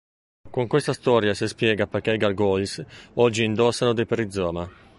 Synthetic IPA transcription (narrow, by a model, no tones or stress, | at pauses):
kuŋkwɛst̪ast̪ɔːɾjasespjɛːɡapɛkɛiɡalɡɔlsɔd͡ʒːiːnd̪ɔsːanod̪epeɾid̪zɔːma